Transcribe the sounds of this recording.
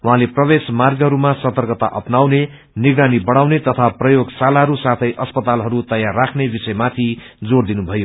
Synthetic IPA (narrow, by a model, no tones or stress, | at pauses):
wuɦãleprʌbesmarɡɦʌɾumasʌt̪ʌrɡʌt̪a̰ʔʌpnawne | niɡɾanibʌɽ̃awnet̪ʌt̪ʰaprʌjoɡsalaɦʌɾusat̪ʰʌjʔʌspʌt̪alɦʌɾut̪ʌjarːakʰnebisʌjmat̪ʰi | d͡zoɽd̪inubʱʌjo